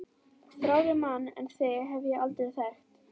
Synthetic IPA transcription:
θɾaːwðɪmanːɛ̰nθɪɦɛvjɛalt̪ɾɪðθɛxt̪

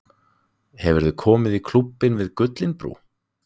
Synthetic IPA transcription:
hɛvɛɾðʏkʰɔːmɪðikʰlupːɪnvɪðkʏt̪lɪnpɾṵː

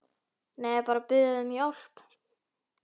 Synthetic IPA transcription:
neːjpaːɾapɪðaðʏmjowl̥p

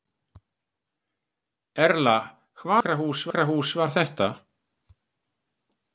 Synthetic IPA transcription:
ɛɾla | kʰvaːɾaɦuːsvaɾaɦuːsvaɾ̥θɛht̪a

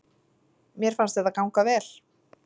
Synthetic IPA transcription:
mjɛɾ̥fanst̪ɛðakawŋkavɛːl̥

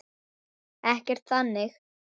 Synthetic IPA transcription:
ɛhcɛɾ̥t̪θanːɪx

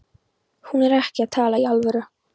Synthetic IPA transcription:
hunɛɾɛhcɪaðt̪ʰaːlaialvʏɾʏ

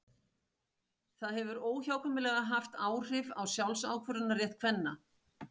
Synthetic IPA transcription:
θaðhɛvʏɾoːwçaːwkʰœmɪlɛɣaɦaft̪aːwr̥ɪvawsjawlsaːwkʰvʏɾʏnarjɛht̪̚kʰvɛnːa

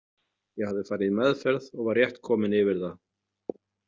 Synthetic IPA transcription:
jɛɣhavðɪfaːɾɪðmɛðfɛɾðɔɣvarːjɛht̪kʰɔːmɪnɪvɪɾða

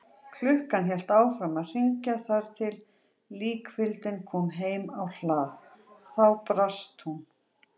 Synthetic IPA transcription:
kʰlʏhkançɛl̥t̪aːwfɾamaðr̥iɲcaθaɾ̥t̪ʰɪlː | iːkfɪlt̪ɪnkʰɔːmɦeːjmawl̥aːθ | θawpɾast̪hun

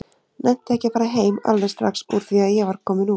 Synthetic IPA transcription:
nʔɛn̥t̪ɛhcɪpaːɾaɦeːjma̰lðɛst̪ɾa̰ksuɾθiaðjɛɣvaɾkʰɔːmɪnu

